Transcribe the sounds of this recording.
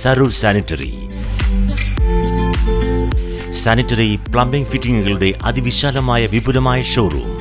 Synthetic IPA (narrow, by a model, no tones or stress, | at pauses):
sɐɾuːlsaːnitːɐrḭ | sanitːɐripɭɐmbiŋɡfitːiŋɡuɣɐɭuɽe̞ʔɐ̰d̪iʋiɕaːlɐmaːjɐʋibulɐmaːjɐʂoːrṵ